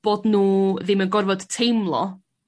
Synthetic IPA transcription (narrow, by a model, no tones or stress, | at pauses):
b̥ɔdnuːðɪmənɡɔrvɔd̥tʰejmlˠɔ̰